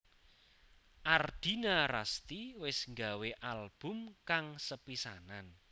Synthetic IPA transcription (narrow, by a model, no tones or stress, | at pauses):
ʔard̪̥i̤nara̰st̪iwɪsŋɡaweʔalb̥ʊ̤mkaŋsəpisanan